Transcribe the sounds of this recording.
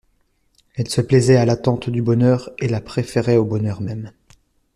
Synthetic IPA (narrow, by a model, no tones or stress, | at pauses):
ɛlsəplɛzɛalat̪ɑ̃t̪d̪ybɔnœʁelapχefeʁɛobɔnœʁmɛm